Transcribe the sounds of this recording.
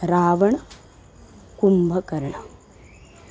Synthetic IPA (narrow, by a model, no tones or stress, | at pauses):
ɾaːʋɐɳɐ | kumbʱɐkɐɾɐɳɐ